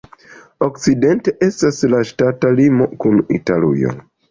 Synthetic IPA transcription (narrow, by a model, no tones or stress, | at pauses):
o̞kt͡side̞nte̞ʔe̞staslaʃtatalimo̞kunḭtalṵjo̰